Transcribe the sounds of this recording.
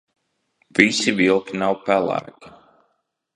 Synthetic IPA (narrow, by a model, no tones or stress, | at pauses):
v̥isivilˠkinawpælˠæ̰ːk